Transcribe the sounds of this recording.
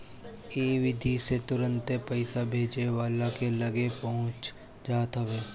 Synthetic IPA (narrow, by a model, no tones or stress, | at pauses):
iːʋɪd̪ʱiset̪ʊɾə̃nt̪epɐɪsabʱeːd͡ʒeʋaːlakelɐɡepɐɦʊ̃t͡ʃ | d͡ʒaːt̪ɦəʋeː